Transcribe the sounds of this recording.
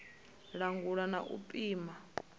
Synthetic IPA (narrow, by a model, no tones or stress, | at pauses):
ɺaŋɡuɺanaʔṵpʼiːma